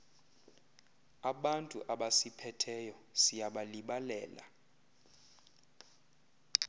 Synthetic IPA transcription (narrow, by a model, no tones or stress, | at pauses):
aɓantʼṵʔaɓasipʰɛtʰɛjɔsijaɓaliɓalɛːla̰